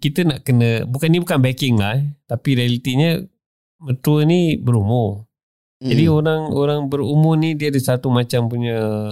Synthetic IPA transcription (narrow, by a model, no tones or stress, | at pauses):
kit̪ənaʔkənəbukanibukanbɛkɪŋlaht̪apiɾialit̪iɲə | mət̪uənibəɾumʊ | d͡ʒadioɾaŋoɾaŋbəɾumʊrnidiəːdəsat̪umat͡ʃampuɲə